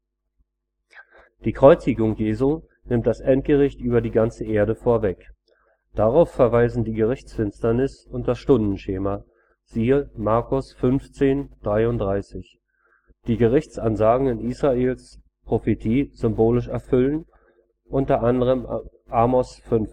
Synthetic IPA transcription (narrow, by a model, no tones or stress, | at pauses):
d̥iːkʁ̥ɔʏt͡sɪɡʊŋjeːzu | nɪmt̚d̥asʔɛnt̚ɡ̥əʁɪçtʔyːbɐdiːɡant͡səʔeːɐɾəfoːɐvɛk | d̥aʁaʊfːɛɐvaɪzn̩diːɡəʁɪçt͡sfɪnstɐnɪsʊnt̚d̥asʃtʊndn̩ʃeːma | z̥iːəmaɐkʊsfʏnft͡seːnd̥ʁaɪʊntd̥ʁaɪsɪç | d̥iːɡəʁɪçt͡sʔanzaːɡŋ̩ɪniːsʁ̥aeːls | pʁ̥ofetʰiːz̥ʏmboːlɪʃɛɐfʏlən | ʔʊntɐʔandəʁəm | ʔaːmɔsfʏnf